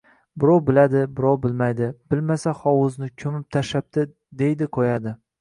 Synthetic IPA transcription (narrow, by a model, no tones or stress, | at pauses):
bɪɾɒwbɪlad̪ɪbɪɾɒwbɪlmajd̪ɪb̥ɪlmasahɒwʊznɪkʲʰɵmɪp̚t̪ʰaʃap̚t̪ɪ | d̪e̞jd̪ɪqʰojad̪ɪ